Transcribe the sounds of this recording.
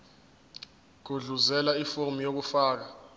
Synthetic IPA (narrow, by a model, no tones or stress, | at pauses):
ɡ̥̬ʱuɮuzɛlaifumijok̬ufaːk̬a